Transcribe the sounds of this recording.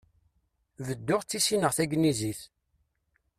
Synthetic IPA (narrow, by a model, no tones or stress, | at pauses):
vəd̪ːʊʁt͡sːisinəʁθæɡniziθ